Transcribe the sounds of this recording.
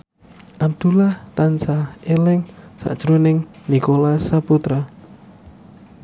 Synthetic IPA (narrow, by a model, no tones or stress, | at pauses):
ʔap̚d̪̥ṳlaht̪ansaelɪŋsa̰ʔd̥ʒ̥ɾonɪŋnikolasaput̪ɾa